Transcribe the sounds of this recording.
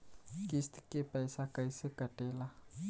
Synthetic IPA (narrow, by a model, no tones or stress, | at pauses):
kist̪i̥kepaisakaisəkaɖ̥ela